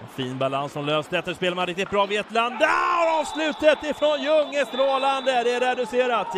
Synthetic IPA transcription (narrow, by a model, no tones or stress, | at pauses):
fiːnbalansɔmløːst̪ɛft̪əʂpeːlaɾmanɾɪk̚t̪ɪt̪̚bɾɑːvɪɛt̪land̪ːæhaɾɑːvslʉ̟ːt̪ət̪ɪfɾɔnjɵŋːəst̪ɾoːland̪əd̪ɛæɾɛd̪ɵseːɾat̪